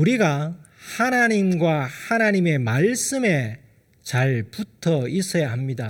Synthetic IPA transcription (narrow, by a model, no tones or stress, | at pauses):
uɾiɡa | hanaɲimɡwahanaɲime̞maɭs͈ɯme̞ | t͡ɕaɭputʰʌis͈ʰʌjaɦamɲida